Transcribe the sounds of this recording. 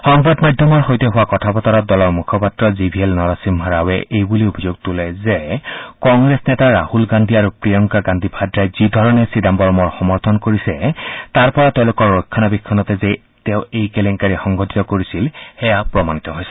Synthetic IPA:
ɔŋbadmajdʱɔmɔɹxojtɛɦʊwakɔtʰapɔtɔɹɔt̚dɔlɔɹmukʰɔpatɹɔzibʱielnɔɹasimɦaɹawɛʔejbuliobʱizoɡ̚tulɛzekɔŋɡɹesnɛtaɹahulɡandʱiaɹupɹijɔŋkaɡandʱibʱadɹajzidʱɔɹɔnɛsidambɔɹɔmɔɹxɔmɔɹt̪ʰɔnkoɹisɛtaɹpɔɹatẽlʊkɔɹːokʰːanabikʰːɔnɔtɛzɛ | teʊejkelɛŋkaɹixɔŋɡɔtʰi̥tɔkoɹisilxɛjapɹɔmanit̪ɔɦojsɛ

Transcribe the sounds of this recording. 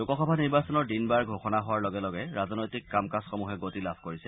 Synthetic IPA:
dokɔxɔbʱaniɹbasɔnɔɹdinbaɹɡʱoxɔnaɦowaɹlɔɡɛlɔɡɛɹaznɔjtikːamkasxɔmuɦɛɡotilabʱkoɹisɛ

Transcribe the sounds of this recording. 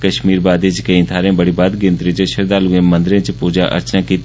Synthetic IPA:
kɐʃmiːɾbaːd̪et͡ʃkeĩt̪ʰaːɾẽbɐɽibaːd̪ɡɪ̃nt̪ɾẽt͡ʃʃɐɾd̪aːluẽmɐ̃nd̪ɪɾẽt͡ʃpuːd͡ʒaʔɐ̰ɾt͡ʃnakit̪

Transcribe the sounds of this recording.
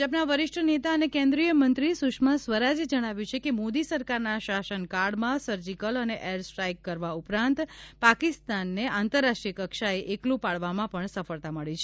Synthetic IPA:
apnaʋəɾɪʃʈʰənet̪aənekẽnd̪ɾijəmənt̪ɾisuʃmasʋəɾad͡ʒed͡ʒəɽ̃aʋjũt͡ʃʰekemod̪isəɾkaɾnaʃasənkaɾɖmãsəɾd͡ʒikələneʔeɾsʈɾajkːəɾʋaupɾãnt̪pakist̪anːeant̪əɾːasʈɾikəkʃaeʔeklũpaɭʋamãpəɳsəfəɭt̪aməɭit͡ʃʰe

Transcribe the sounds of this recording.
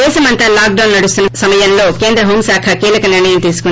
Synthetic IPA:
ɛːsɐmɐnt̪aːlaːk̚ɖɐwnːɐɽust̪unːɐsɐmɐjɐnlo̞ːkeːnd̪ɾɐɦoːmsaːkʰɐkiːlɐkɐniɾɳɐjɐmt̪iːsu̥ku

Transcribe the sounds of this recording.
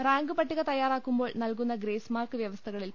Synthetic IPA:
raːŋɡɨpɐʈːiɣɐt̪ɐjːaːɾaːkːumbo̞ːɭnɐlkunːɐɡɾeːsmaːrkɨʋjɐʋɐst̪ʰɐɣɐɭil

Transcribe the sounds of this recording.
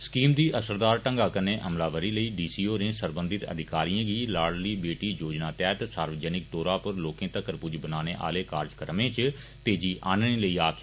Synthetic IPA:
skiːmd̪iːʔəsəɾd̪aːɾʈə̃ŋɡaːkəneːʔəmlaːʋəɾiːləiːɖiːsiːoːnẽːsəɾbənd̪ɪt̪ə̰d̪ɪkaːɾijãːɡiːlaːɽliːbeːʈiːjoːd͡ʒnaːt̪ɛːt̪saːɾʋəd͡ʒənɪk̚d̪ɔːɾaːpəɾloːkẽːt̪əkəɾpʊd͡ʒbənaːneːʔa̰ːleːkaːɾd͡ʒkəɾmẽːt͡ʃ | t̪eːd͡ʒiːʔʔaːnnẽːləiːaːkʰ

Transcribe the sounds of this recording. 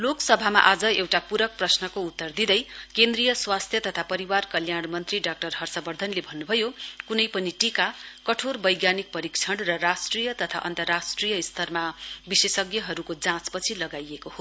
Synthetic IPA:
loksʌbʱama̰ʔad͡zʌewʈapuɾʌk̚prʌsnʌkout̪ːʌrd̪id̪ʌjkend̪rijʌswast̪ʰjʌt̪ʌt̪ʰapʌɾiwarkʌljaɽmʌnt̪riɖak̚ʈʌrɦʌrsʌbʌrd̪ʱʌnlebʱʌnːubʱʌjokunʌjpʌniʈikakʌʈʰorbʌjɡjanik̚pʌɾikt͡sʰʌɽrʌrasʈrijʌt̪ʌt̪ʰa̰ʔʌ̰nt̪ʌrːasʈrijʌist̪ʰʌrmabisesʌɡjʌɦʌɾukod͡zãt͡spʌt͡sʰilʌɡajekoho

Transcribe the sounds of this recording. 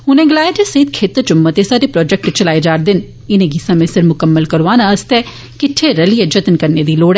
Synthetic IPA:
ɦʊnẽɡɪlaːeʈ̪esɐid̪kʰeːt̪ːt͡ʃʊmːət̪esaːɾepɾɔːd͡ʒɛk̚ʈt͡ʃɐlaːed͡ʒaːɾd̪ɪn | ɪnẽɡisãmẽsɪɾmʊkəmːəlkɐɾʋaːnaɐst̪ɛ | kɪʈʰːeɾɐlied͡ʒɐt̪nkɐɾned̪iloːɽɛ̃ː

